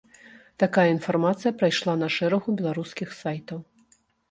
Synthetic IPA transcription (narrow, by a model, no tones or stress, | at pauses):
t̪akajɐin̪farmat̪sɨjɐpɾajʂlˠanɐʂɛɾɐɣubʲɛlˠaɾuskʲixsajt̪ɐw